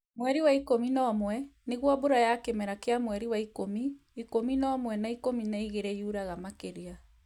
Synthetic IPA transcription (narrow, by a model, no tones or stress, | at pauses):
mwɛɾiwaikominɔːmwɛneɣwɔboɾajakemɛɾakeamwɛɾiwaikomiː | kominɔːmwɛnaikominaiɣeɾɛjuɾaɣamakeɾea